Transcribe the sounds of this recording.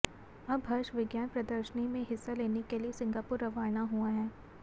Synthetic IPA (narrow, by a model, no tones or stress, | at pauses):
ɐbɦɐɾʃʋɪɡjaːnpɾɐd̪əɾʃənimẽɦɪsːaleːnekeliesɪ̃ŋɡaːpʊɾɐʋaːjnaɦuaɦɛː